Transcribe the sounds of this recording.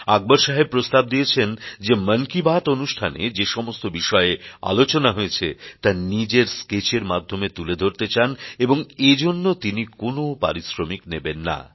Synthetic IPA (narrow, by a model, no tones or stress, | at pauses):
aɡ̚boɾʃaɦepɾost̪ab̚d̪ijet͡ɕʰend͡ʑemənkibaʈonuʃʈʰanḛd͡ʑeʃɔmost̪obiʃɔeea̰lot͡ɕonaɦoet͡ɕʰet̪anid͡ʑeɾsket͡ɕeɾmad̪ʱomet̪uled̪ʱoɾt̪et͡ɕaneboŋed͡ʑonːot̪inikonopa̰ɾisɾomiknebenːa̰